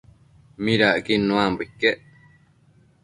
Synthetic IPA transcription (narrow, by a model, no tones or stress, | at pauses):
mĩɾaʔkinũãmbikːeʔ